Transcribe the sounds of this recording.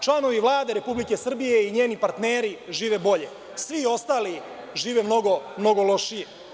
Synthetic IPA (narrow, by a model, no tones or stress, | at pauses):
t͡ʃlˠano̞ʋiʋlˠaːd̪e̞ɾe̞publike̞sr̩bije̞iɲe̞ːnipaɾt̪neːɾiʒiːʋe̞bo̞ʎe̞ | sʋio̞st̪aːli | ʒiːʋe̞mno̞ɡo̞mno̞ɡolo̞ʃije